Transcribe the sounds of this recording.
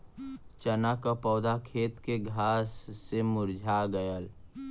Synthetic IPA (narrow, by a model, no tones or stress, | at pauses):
t͡ʃənakapɔːd̪akʰeːt̪keɡʱaːsːemʊɾd͡ʒʱaɡəjəl